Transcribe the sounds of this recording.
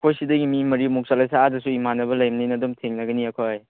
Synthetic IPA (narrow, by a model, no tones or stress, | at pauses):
kʰojsidɐɡimimɐɾimuk̚salajsaadɐsuimanːɐbɐlɐjmnɐjnɐdɔmtʰeŋnɐɡɐniɐkʰoj